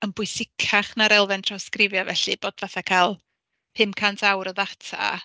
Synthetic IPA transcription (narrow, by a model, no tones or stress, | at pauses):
ənbʊɨsɪkʰaχnaɾɛlˠvɛntʰrɔskrɪvjɔvɛɬɨb̥oːd̥vaθakʰaːlˠ | phɨmkʰantʰawɾɔðatʰa̰